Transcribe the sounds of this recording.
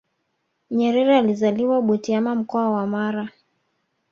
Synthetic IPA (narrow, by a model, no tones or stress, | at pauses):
ɲɛɾɛɾɛalizaliwaɓɔtiamam̩kɔawamaɾa